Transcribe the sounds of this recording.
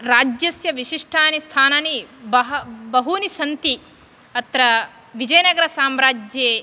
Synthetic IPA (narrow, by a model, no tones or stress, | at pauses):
ɾaːd͡ʒjɐsjɐʋiʃiʂʈʰaːnist̪ʰaːnaːnibɐɦbɐɦunisɐnt̪i | ɐt̪ɾɐ | ʋid͡ʒɐjnɐɡɐɾɐsaːmɾaːd͡ʒjeː